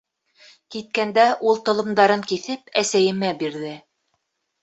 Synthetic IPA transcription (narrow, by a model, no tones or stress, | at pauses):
kit̪̚kænd̪æʔulˠt̪ŏlˠɤ̆md̪ɑɾɤŋkiθɘpæsæjɘ̆mæbiɾðɘ